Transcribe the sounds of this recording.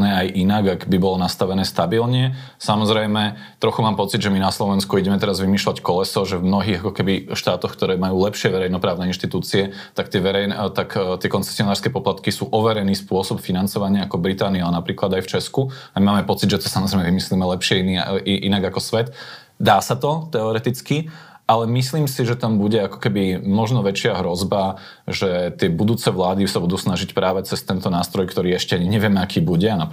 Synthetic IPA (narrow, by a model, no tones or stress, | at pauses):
nɛajʔinaɡaɡbibɔlɔnast̪aʋɛnɛːst̪abilɲɛ | samɔzɾɛjmɛ | t̪ɾɔxumaːmpɔt͡sid̪ʒɛminaslɔʋɛnskuiɟɛmɛt̪ɛɾazʋimiːʃlackɔlɛsɔʒɛvmnɔɦiːɣakɔkɛbiʃt̪aːt̪ɔxkt̪ɔɾɛːmajuːlɛpʃɪɛʋɛɾɛjnɔpɾaːʊnɛːinʃt̪it̪uːt͡siɛ | t̪akt̪ɪɛʋɛɾɛjnt̪akt̪ɪɛkɔnt͡sɛ̥sɪɔnaːɾskɛːpɔplat̪kisuːʔɔʋɛɾɛniːspʊɔsɔpfinant͡sɔʋaɲɪaakɔbɾit̪aːniɔanapɾiːklad̪ajft͡ʃɛsku | amimaːmɛpɔt͡sid̪ʒɛt̪ɔ̥samɔzɾɛɪmɛʋimislimɛlɛpʃɪɛiiʔinaɡakɔsʋɛt̪ | d̪aːsat̪ɔt̪ɛɔɾɛt̪it͡ski | ʔalɛmisliːmsiʒɛt̪ambuɟɛakɔ̥kɛbimɔʒnɔʋɛt͡ʃɪaɦɾɔzba | ʒɛt̪ɪɛbud̪uːt͡sɛʋlaːd̪isabud̪uːsnaʒicpɾaːʋɛt͡sɛst̪ɛnt̪ɔnaːst̪ɾɔjkt̪ɔɾiːɛʃcɛaɲiɲɛʋɪɛmɛakʰiːbuɟɛana